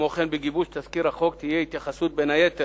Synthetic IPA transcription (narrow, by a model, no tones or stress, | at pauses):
oχenbeɡibuʃt̪azkiɾaχo̞kt̪ijeit̪jaχasut̪̚benajet̪e